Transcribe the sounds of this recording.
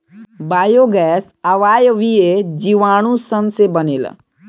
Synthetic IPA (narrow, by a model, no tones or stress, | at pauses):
baːjoɡɛːsəʋaːjəʋied͡ʒiʋaːɽ̃ũsənsebəneːl̰